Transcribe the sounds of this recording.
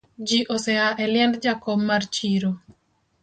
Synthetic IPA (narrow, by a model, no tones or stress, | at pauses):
d͡ʒiʔosɛaʔɛlɪjɛndd͡ʒakɔmːart͡ʃiɾo